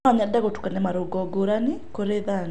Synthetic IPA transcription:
ɔɲadaɣotu̥kanɛmaɾoɡɔɡoɾanekoɾeðan

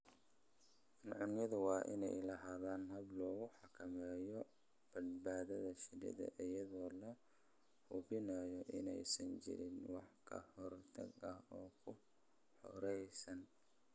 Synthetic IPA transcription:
nʕʊnjɐðʊwɑːʔɪ̰nɛ̰jlɐɦaːðaːnɦɐβlɔːɣʊħɑkʰɐmɛːjɔ | b̥ɐd̪baːðɐðɐʃɪdɐ̰ðɐ̰ʔɪjɐðɔːlɐ | hʊbɪnɐjɔʔɪ̰nɛ̰jsɐnt͡ʃɪ̰ɾɪnwɑħkʰɐ̰hɔrt̪ʰɐ̰ɡɐɦɔːkʰʊ | ħɔ̰ɾɛjsɐn

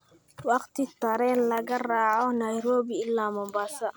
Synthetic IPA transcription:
wɑqt̪ɪt̪ɐɾɛːnlɐɣɐraːʕɔnɐjɾoːβiɪlːaːmɔmbasɐ

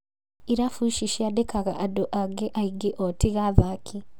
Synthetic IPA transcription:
iɾafuʃiʃiadekʰaɣaʔadoʔaɡeʔaiɡeʔotiɣaβaːkʰi

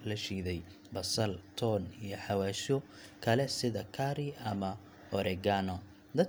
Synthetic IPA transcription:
lɐʃiːðɛj | bɐsɐlt̪ʰɔːnijɞħɑwaːʃɔ | kʰɐlɛsɪðɐkʰaːɾɪʔɐmɐ | ɔɾɛɡaːnɔ | d̪ɐ

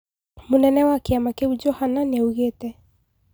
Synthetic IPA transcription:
munɛnɛwakeamakeud͡ʒɔhananɛuɣetɛ

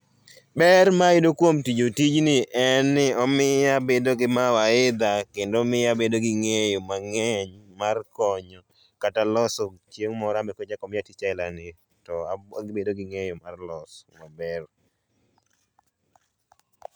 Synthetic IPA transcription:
bɛrmaɪdokwomtid͡ʒotid͡ʒnɪʔɛnːɪɔmɪjabedoɡɪmawaɪd̪akendomɪabedoɡɪŋejomaŋɛɲmarkɔɲɔ | katalɔsɔt͡ʃjeŋmɔɾamɛkod͡ʒakɔmɪatit͡ʃaɪlanɪ | tɔaaɡbedoɡɪŋejomarlɔsmabɛɾ

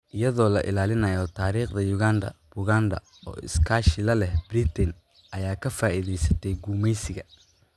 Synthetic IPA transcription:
ʔɪjɐðɔːlɐʔɪlaːlɪnɐjɔt̪ʰaːɾiːχd̪ɐjʊɣaːnd̪ɐ̰b̥ʊɣaːnd̪ɐ̰ | ɔ̰ːɪ̰skʰaːʃɪlɐlɛhbrit̪ʰɛn | ʔɐjaːkʰɐfaːʔiðɛjsɐt̪ʰɛjɡuːmɛjsɪɣɐ

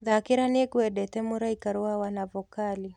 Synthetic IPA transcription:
ðakiɾaniɛkuwɛɗɛtɛmuɾaikaɾuawanavɔkali

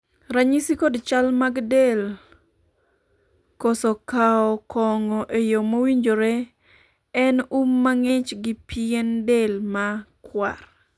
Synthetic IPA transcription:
ɾaɲisikodt͡ʃalmaɡdel | kɔsɔkaɔkʰɔŋɔʔejomowiɲd͡ʒoɾe | ɛnumːaŋɪt͡ʃɡɪpiendelmakwa̰r

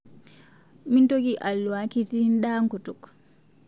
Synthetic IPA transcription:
mintoɡiʔalwakitinɗaːŋkɔtɔk

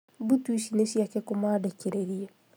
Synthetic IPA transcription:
butuiʃineʃiakɛkumaːdekeɾeɾie

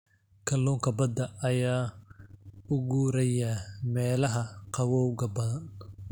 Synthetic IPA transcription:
kʰɐlːɔːŋkʰɐbɐd̪ɐʔɐjaː | ʊɣuːɾɐjɐmɛːlɐɦɐqɑwɔwɣɐbɐðɐn

